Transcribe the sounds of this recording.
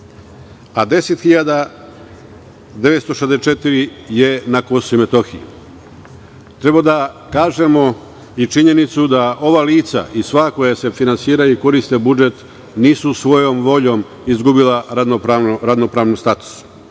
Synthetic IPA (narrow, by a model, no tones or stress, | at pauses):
ad̪e̞set̪xiʎad̪a | d̪e̞ʋet̪st̪o̞ʃezd̪est͡ʃe̞t̪iɾije̞nakosoime̞t̪o̞xijḭ | t̪ɾe̞bad̪a | kaːʒe̞mo̞ | it͡ʃiɲe̞nit̪sud̪aʔo̞ʋaliːt̪sa̰ʔisʋaːko̞jase̞finansiːɾajuiko̞ɾist̪e̞bud͡ʒe̞t̪ | niːsusʋo̞jo̞mʋo̞ʎo̞m | izɡubilaɾaoɾaɾad̪nopɾaːʋnist̪at̪u̥s